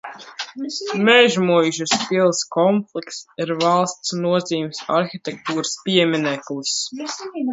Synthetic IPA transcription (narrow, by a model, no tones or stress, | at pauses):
mɛʒmujʒaspilˠskɔmplˠiksiɾvalˠst̪snuɔziːmsa̰ɾxit̪ʲɛk̚t̪uːɾɨspʲiɛmʲinɛklˠus